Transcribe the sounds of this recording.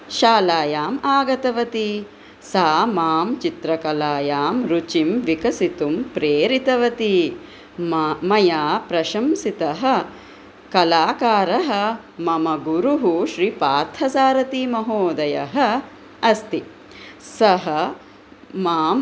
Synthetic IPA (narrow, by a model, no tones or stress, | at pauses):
ʃaːlaːjaːmaːɡɐt̪ɐʋɐt̪i | saːmaːmt͡ʃit̪ɾɐkɐlaːjaːmɾut͡ʃimʋikɐsit̪umpɾeːɾit̪ɐʋɐt̪i | mɐjaːpɾɐʃɐmsit̪ɐɦɐ̆ | kɐlaːkaːɾɐɦɐ̆ | mɐmɐɡuɾuɦuʃɾiːpaːɾt̪ʰɐsaːɾɐt̪imɐɦoːd̪ɐjɐ̰ɦɐ̆ | ɐst̪i | sɐɦɐ | maːm